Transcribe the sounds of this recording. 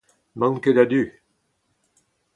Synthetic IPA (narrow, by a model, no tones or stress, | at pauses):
mɑ̃ŋked̪ad̪y